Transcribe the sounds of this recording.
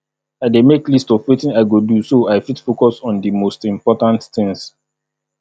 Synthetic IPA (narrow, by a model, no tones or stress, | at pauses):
aɪdemeklistɔfwitĩnaɪɡodusoaɪfitfokɔsɔ̃ndimostĩmpɔtãntθɪ̃ŋs